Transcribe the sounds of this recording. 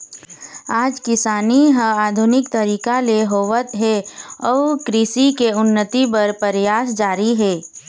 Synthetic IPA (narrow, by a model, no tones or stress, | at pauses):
aːd͡ʒkɪsaːniɦəaːd̪ʱʊnɪkt̪ɐɾiːkaleɦoːʋət̪ɦɛɔːkɾiːsikeʊnːət̪ipɐɾpəɾjaːsd͡ʒaːɾiɦɛː